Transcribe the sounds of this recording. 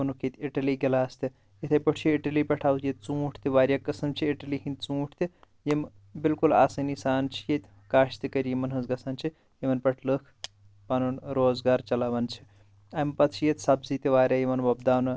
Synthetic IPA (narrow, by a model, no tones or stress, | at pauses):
ɐnukʰit̪ʲiʈɐliɡɐlaːst̪i | jit̪ʰɐjpəʈʰt͡ʃʰjiiʈɐlipɐʈʰaːwjet̪̚ʲt͡sũːʈʰt̪ʰiʋaːɾʲjakːɐsɐmt͡ʃʰiiʈɐliɦĩnt̪ʲt͡sũːʈʰt̪i | jem | bilkula̰ːsɐnisaːnt͡ʃʰijet̪ʲ | kaːʃt̪ikɐɾjemɐnɦɐzɡɐsɐnt͡ʃʰi | jemɐnpɐʈʰləkʰ | panɐnɾoːzɡaːɾt͡ʃɐlaʋɐnt͡ʃʰi̥ | ɐmpɐt̪t͡ʃʰijet̪ʲsɐbzit̪iʋaːɾʲjajemɐnbɐbd̪aːnɨ